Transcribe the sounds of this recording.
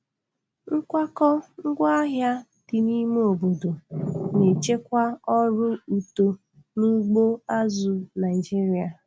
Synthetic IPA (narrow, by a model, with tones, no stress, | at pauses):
ŋ̩˦kʷa˦kɔ˦ŋ̩˦ɡʷa˦a˦ɦja˦ | d̥i˨ni˦m˦o˨bo˨do˨ne˨t͡ʃe˦kʷa˦ɔ˦ɾʊ˦u˨to˨ | nu˦ɡ͡bo˦a˦zu˨na˨i˨d͡ʒi˦ɾi˨a˨